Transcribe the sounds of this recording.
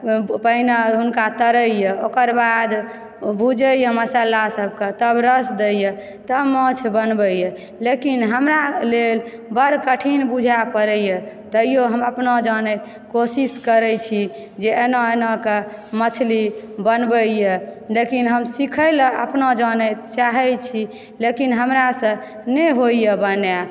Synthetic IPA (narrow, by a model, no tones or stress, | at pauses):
pəinəɦunkat̪əɾəjeokəɾbad̪ | bʱud͡ʒəjeməsalasəb̚ket̪əbɾəsd̪eje | t̪əmət͡ʃʰbənbəje | lekinɦəmɾalel | bəɽ̤kəʈʰinbud͡ʒʱapəɾəjet̪əijoɦəməpnɔd͡ʒənɛt̪ | kosiskəɾɛt͡ʃʰi | d͡ʒeenəenɔkemət͡ʃʰlibənbəjelekinɦəmsikʰəɪləə̰pnɔd͡ʒənɛt̪t͡ʃaɦɛt͡ʃʰi | lekinɦəmɾasə̃ | nɛɦoijəbənja